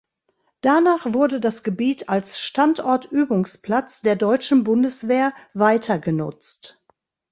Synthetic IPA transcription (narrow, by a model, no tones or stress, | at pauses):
d̥anaːχv̥ʊɐdədasɡ̥əbiːtʰalsʃtantʔɔɐtʰʔyːbʊŋspl̥at͡sd̥eːɐdɔʏt͡ʃn̩bʊndəsv̥eːɐvaɪtʰɐɡənʊ̰t͡st